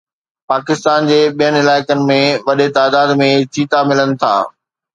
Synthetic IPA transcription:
paːkɪst̪aːnd͡ʑeːɓijənɪɪlaːɪkənɪ̆mẽʋɐɗet̪aːd̪aːd̪mẽt͡ɕʰiːt̪amɪlənɪ̆t̪ʰa̰ː

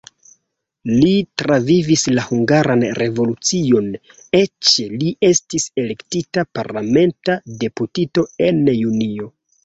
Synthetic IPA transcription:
litɾavivislahuŋɡaɾanɾe̞vo̞lut͡sio̞n | e̞t͡ʃeliʔe̞stise̞le̞ktitapaɾlame̞ntade̞putito̞e̞njunio̞

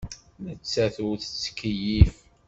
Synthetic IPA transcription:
nət͡sːæθuθət͡sːə̥kːəjif

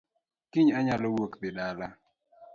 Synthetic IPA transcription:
kiɲaɲalɔwokpɪɗala

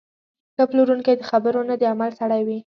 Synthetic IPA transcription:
kaploɾuŋkajd̪əxabəɾonad̪əamalsaɽajwi

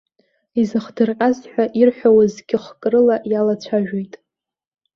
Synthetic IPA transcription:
izɨχdɨrqʲʼazħʷᶣaʔirħʷᶣawazɡʲɪχkʼrɨlaʔjalat͡ɕʷʰaʒᶣojtʼ

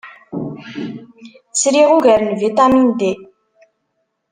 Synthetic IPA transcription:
t͡sːɾiʁuɣæɾənvit̪amind̪e

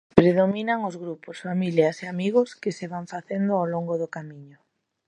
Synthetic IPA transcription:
pɾeðominaŋozɣɾuposfamiljaseamiɣʊskɪseβaɱfaθend̪ʊawloŋɡoðʊkamiɲʊ

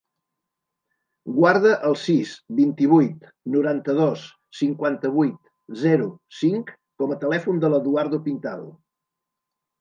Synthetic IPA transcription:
ɡwaɾðəʔəlˠsisbint̪iβ̞ujt̪ | nuɾant̪əðos | siŋkwant̪əβ̞ujt̪ | zɛɾusiŋkː | ɔmət̪əlɛfund̪ələðuaɾðupint̪aðṵ

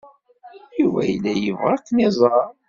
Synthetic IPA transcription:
jivæ̰jlːæjəvʁækːnizˤɑɾˤ

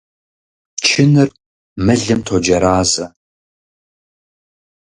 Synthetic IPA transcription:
t͡ʃʰɪnɨr | mɨɮɨmtʰod͡ʒɐɾaːzɐ

